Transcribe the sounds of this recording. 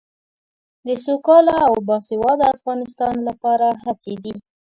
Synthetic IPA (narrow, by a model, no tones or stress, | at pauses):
d̪əsokɑlaawbɑsɪwɑd̪əafɣɑnɪst̪ɑnlapɑɾaɦat͡sed̪i